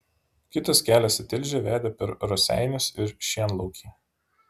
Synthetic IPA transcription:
kʲɪt̪ɐskʲæːlʲɛsɪt̪ʲɪlʲʒʲɛʋʲæːd̪ʲɛpʲɛɾɾɔsʲæ̰ˑɪnʲʊsɪɾʃʲiɛnlˠɔʊkʲiː

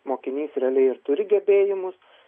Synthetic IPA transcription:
moːkʲɪnʲiːsrʲɛlʲɛɪɪɾt̪ʊɾʲɪɡʲɛbʲeːjɪmʊs

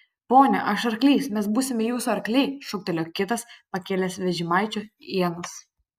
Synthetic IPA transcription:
poːnʲɛʔɐʃɐɾklʲiːsmʲɛs̬buːsʲɪmʲɪjuːsuɐɾklʲɛɪʃʊk̚t̪ʲɛlʲoːkʲɪt̪ɐspɐkʲeːlʲɛsʋʲɛʒʲɪmɑɪt͡ʃʲʊiɛnʊs

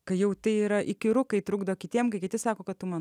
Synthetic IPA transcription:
kɐɪjɛʊt̪ʲɐɪiːɾɐʔɪkʲɪɾʊkɐɪt̪ɾʊɡd̪ɐʋkʲɪt̪ʲiɛmkɐɪkʲɪt̪ʲɪsɑːkoːkɐt̪tʊmɑːn

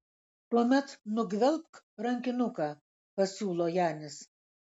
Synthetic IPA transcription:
t̪uɔmʲɛt̪nʊɡʲʋʲɛlˠp̚k | ɾɐŋʲkʲɪnʊkɑː | pɐsʲuːlˠoːjæːnʲɪs

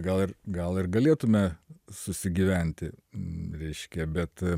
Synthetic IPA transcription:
ɡɐlˠɪrɡɐlˠɪrɡɐlʲeːt̪ʊmʲɛsʊsʲɪɡʲiːʋʲæˑnʲt̪ʲɪɾʲɛɪʃʲkʲɛbʲɛt̪

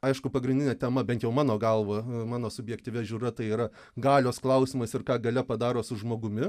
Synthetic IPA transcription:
ɐɪʃkʊpɐɡɾʲɪnʲdʲɪnʲeɛt̪ʲɛmɐbʲɛnt̪jɛʊmɑːnoːɡɐlˠʋoːmɑːnoːsʊbʲjɛkt̪ʲiːʋʲɛʒʲuːɾɐt̪ɐɪiːɾɐ | ɡɑːlʲoːsklˠɐʊsʲɪːmɐsɪrkɑːɡɐlʲɛpɐd̪ɑːɾoːsʊʒmoːɡʊmʲɪ

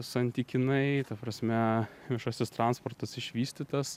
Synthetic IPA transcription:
sɐnʲt̪ʲiːkʲɪnɐɪt̪ɐpɾɐsʲmʲɛʋʲɪʃoːsʲɪst̪ɾɑnspɔrt̪ɐsɪʃʲʋʲiːsʲt̪ʲit̪ɐs

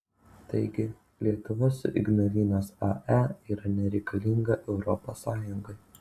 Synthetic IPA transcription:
t̪ɐɪɡʲɪ | lʲiɛt̪ʊʋoːsʔɪ̰ɡnolʲiːnʲoːsɑʔæiːɾɐnʲɛɾʲɛɪkʰɐlʲɪŋɡɐʔɛʊɾɔposːɑːjʊŋɡɐɪ

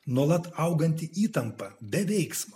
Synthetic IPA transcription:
nuɔlˠɐt̪ɐʊɡɐnʲt̪ʲɪiːt̪ɐmpɐbʲɛʋʲɛɪksmɐ

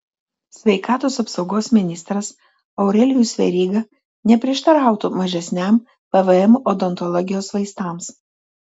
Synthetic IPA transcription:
sʲʋʲɛɪkɑːt̪oːsɐpsɒʊɡoːsmʲɪnʲɪst̪ɾɐs | ɐʊɾʲɛlʲɪjuːsʲʋʲɛ̰ɾʲiːɡɐ | nʲɛpʲɾʲɪɛʃt̪ɐɾɑˑʊt̪umɐʒʲɛsʲnʲæm | pɛʋəɛmɔd̪ɔnt̪ɔlˠɔːɡʲɪjoːsʋɐɪst̪ɑːˑms

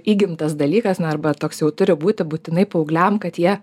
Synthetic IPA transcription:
iːɡʲɪmt̪ɐsd̪ɐlʲiːkɐsnʊɐrbɐt̪oːksjɛʊt̪ʊɾʲɪbuːt̪ʲɪbuːt̪ʲɪnɐɪpoːʊɡlʲæmkɐt̪jiɛ

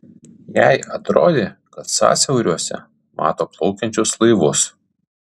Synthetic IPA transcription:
jæɪɐt̪ɾo̰ːd̪ʲeːkɐt̪sɑ̰ːsʲɛʊɾʲuɔsʲɛ̰ | mʔɑ̰ːt̪oːplˠɔʊkʲɛnʲt͡ʃʲʊslˠɐɪʋʊs

